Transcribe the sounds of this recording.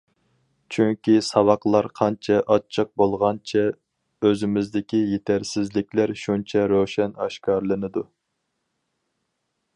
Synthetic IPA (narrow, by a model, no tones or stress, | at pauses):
t͡ʃʰyŋkʲisɑwɑqlˠɑɾqʰɑnt͡ʃʰɛʔɑt͡ʃʰːɨq̚bolˠʁɑnt͡ʃʰɛ | øzɪmɪzd̪ɪkʲijet̪ʰæɾsɪzlɪkʲlæɾʃunt͡ʃʰɛɾoʃɛnɑʃkɑɾlˠɨnɨd̪u